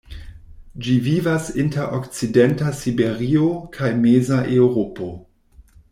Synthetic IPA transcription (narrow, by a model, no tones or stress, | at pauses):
d͡ʒivivasinteɾʔokt͡sidentasibe̞ɾiokʰajmezaʔewɾopo̞